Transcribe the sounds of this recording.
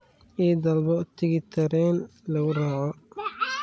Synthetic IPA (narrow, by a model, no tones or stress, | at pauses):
iːd̪ɐlbɔʔt̪ʰɪɣɪt̪ʰɐɾɛːnlɐɣʊraːʕɔ